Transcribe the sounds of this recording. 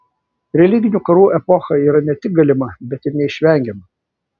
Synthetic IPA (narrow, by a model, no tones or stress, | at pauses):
ɾʲɛlʲɪɡʲɪnʲukɐɾuːʔɛpɔxɐiːɾɐnʲɛt̪ʲɪk̚ɡɐlʲɪmɐbʲɛt̪ʲɪɾnʲɛɪʃʲʋʲɛˑŋʲɡʲɛmɐ